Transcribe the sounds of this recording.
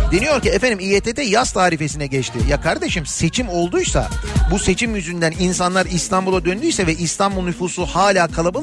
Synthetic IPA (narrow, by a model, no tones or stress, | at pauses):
d̪e̞nijo̞ɾciɛfænd̪imijet̪ʰet̪ɛjast̪ʰaːɾife̞sinɛɟɛt͡ʃt̪ʰɪ̰jakʰaɾd̪e̞ʃimse̞t͡ʃʰimo̞lˠd̪ujsa̰buse̞t͡ʃʰimjyzynd̪ænins̬anlˠaɾist̪ʰambulˠad̪ønd̪yjsɛvɛist̪ʰanbulˠnyfuːsuhaːlʲaːkʰalˠabɯlˠ